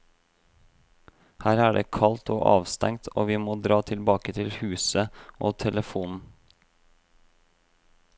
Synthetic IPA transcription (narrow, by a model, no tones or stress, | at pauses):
hæːɾæːɖeːkʰɑlt̪ʰo̰ːʔɑ̰ːʋst̪ɛŋt̪ʰo̰ːʋiːmoːd̪ɾɑːt̪ʰɪlbɑːkət̪ʰɪlhʉːsəʔoːt̪ʰɛləfuːnn̩